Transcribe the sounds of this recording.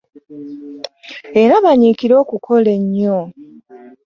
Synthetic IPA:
e̞ɾaβaɲikiɾo̞ːkukʰo̞le̞ɲːo

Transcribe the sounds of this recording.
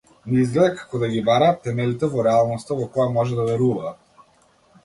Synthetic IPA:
nɛizɡlɛd̪ɛkḁkɔd̪aɡʲibaɾaːt̪ɛmɛlit̪ɛvɔɾɛalˠnɔst̪avɔkɔjamɔʒɛd̪avɛɾuvaː

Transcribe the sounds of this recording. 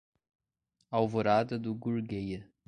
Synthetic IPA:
awvoɾad̪ɐd̪ʊɡuɾɡejɐ

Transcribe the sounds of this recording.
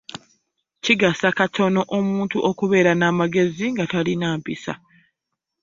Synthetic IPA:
ciɡasakatʰo̞no̞ʔomuːntuʔokuβe̞ːɾanaːmaɡe̞ziŋɡatalinaːmpisa̰

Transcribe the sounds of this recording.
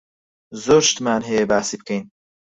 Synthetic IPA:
zoːɾʃt̪maːnɦejebaːsibkʰejn

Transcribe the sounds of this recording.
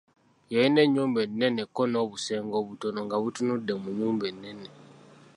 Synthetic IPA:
jejine̞ɲːuːmbe̞nːe̞nekːo̞noːβuse̞ːŋɡo̞ːβuto̞no̞ŋɡaβutunudːe̞muɲːuːmbe̞nːe̞ne

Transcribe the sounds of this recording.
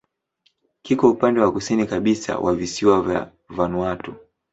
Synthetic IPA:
kikɔupandɛwakusinikaɓisa̰wʔavisiwavja̰ | vanwatɔ

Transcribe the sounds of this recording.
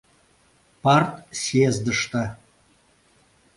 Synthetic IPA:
pɑrt̪sʲezd̪əʃt̪a

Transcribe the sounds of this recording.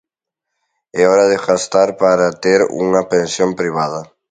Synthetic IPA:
ɛɔɾɐðɪfast̪aɾpaɾat̪eɾṵŋɐpẽnsjompɾiβ̞aðɐ

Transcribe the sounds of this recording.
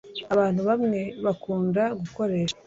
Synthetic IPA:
aβaːn̥huβamŋe̞βakuːndaɡuko̞ɾe̞ːʃ

